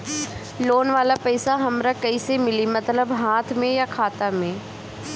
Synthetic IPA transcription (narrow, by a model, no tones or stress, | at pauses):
loːnʋaːlapɐːsaɦɐmɾakɐisemɪlimɐt̪ləbɦaːt̪ʰmẽjakʰaːt̪amẽ